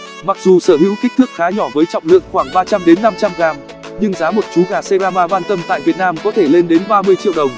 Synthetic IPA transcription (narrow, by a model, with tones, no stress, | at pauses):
ma˨˩k̚zu˨˩səː˧˩ɦḭ˧˥wki˦˥k̚t̪ɨ˦˥ək̚xaː˨˦ɲɔ˧˩vəː˨˦jt͡ɕɔ̰˧˨wŋ͡mlɨ̰˧˨əŋxwaː˧˩ŋɓaː˧t͡ɕa˧mɗe˨˦nːa˧mt͡ɕa˧mɣaː˨˩m | ɲɨ˧ŋzaː˨˦mo˨˩t̚t͡ɕu˨˦ɣaː˨˩se˧zaː˧vaː˧vaː˧nt̪ə˧mt̪a̰ː˧˨jvi˨˩ət̚naː˧mkɔ˨˦t̪ʰe˧˩le˧nɗe˨˦nɓaː˧mɨ˧əjt͡ɕḭ˧˨əwɗə˨˩wŋ͡m